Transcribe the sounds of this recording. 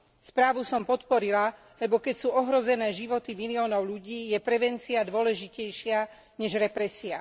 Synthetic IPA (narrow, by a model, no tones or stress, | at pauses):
spɾaːʋusɔmpɔt̪pɔɾila | lɛbɔkɛcsuːɔɦɾɔzɛnɛːʒiʋɔt̪imiliɔːnɔʊʎuɟiːjɛpɾɛʋɛnt͡siad̪ʊɔlɛʒicɛjʃɪa | ɲɛʒɾɛpɾɛsia